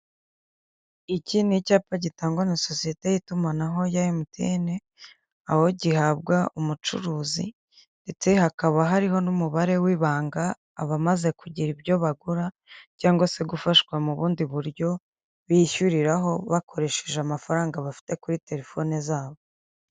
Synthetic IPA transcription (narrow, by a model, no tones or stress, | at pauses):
icinicaːpaɟitaːŋɡonaso̞sije̞te̞jitumanaɦo̞jajimutʰḛːne | aho̞ɟihabɡaʔumut͡ʃṵɾuːzḭ | nde̞t͡se̞hakaβaɦaɾiho̞numuβaɾe̞wiːβaːŋɡaː | βamaze̞kuɟiɾibjo̞βaɡuɾa | caːŋɡose̞ɡufaʃwamuβuːndiβuɾjo̞ | βiçuɾiɾaɦo̞βakʰo̞ɾe̞ʃeʒeamafaɾaːŋɡaβafi̥te̞kuɾite̞ɾe̞fo̞nezaːβo